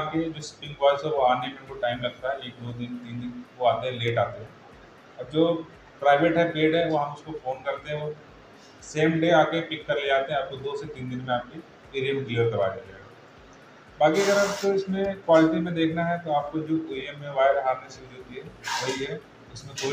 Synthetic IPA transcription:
ked͡ʒoːspɪ̃ŋɡʋɔːɪsɦɛʋoaːnekẽnʋoʈaːɪmɾɐkt̪aɦɛleːkɪnʋot̪̬int̪iːnd̪ɪnʋoaːt̪eɦɛ̃leːʈaːt̪eɦɛ̃ | ɔːɾd͡ʒoː | pɾaːɪʋeʈɦɛpeːɖɦɛʋoɦɐmʊskofoːnkɐɾt̪eɦɛ̃ʋo | seːmɖeːaːkẽpɪkːɐɾleaːt̪eɦɛ̃ɐːb̚t̪od̪oːset̪ĩːnd̪ɪnmẽaːp̚ke | piːɾimkleəɾk̪ɐba̰ːkid͡ʒaeɡaː | baːkiɐɡəɾaːbt̪oɪsmẽkwaːlɪʈimẽd̪eːkʰnaɦɛt̪oaːp̚kod͡ʒoːʔoiemːẽʋaːɾɦaːɾneseɪd͡ʒot̪iɦɛʋɐɦiɦɛ | ʊsmẽt̪ʰoː

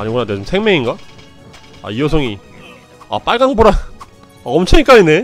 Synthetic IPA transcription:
aɲiɡonanet͡ɕomsʰeŋmeŋinɡa | a̰ijʌsʰʌŋi | a̰p͈aɭɡaŋboɾa | aʌmt͡ɕʰʌɲik͈aɲine̞

